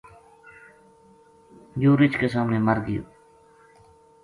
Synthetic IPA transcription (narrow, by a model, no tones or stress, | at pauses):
juːɾɪt͡ʃkesaːmneːməɾɡɪjo̰ː